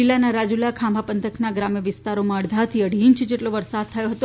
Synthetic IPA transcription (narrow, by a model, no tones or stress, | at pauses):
ilanaɾad͡ʒulakʰãmbʱapənt̪ʰəknaɡɾamjəʋɪst̪aɾomãəɽd̪ʱat̪ʰiəɽ̤iɲt͡ʃd͡ʒeʈloʋəɾsad̪̚t̪ʰəjoɦət̪o